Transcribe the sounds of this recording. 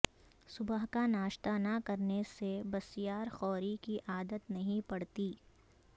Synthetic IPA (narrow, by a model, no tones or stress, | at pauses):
sʊbəɦkanaːʃt̪anɐkɐɾnesebɐsɪjaːɾxɔːɾikiʔaːd̪ət̪nɐɦĩpɐɽt̪iː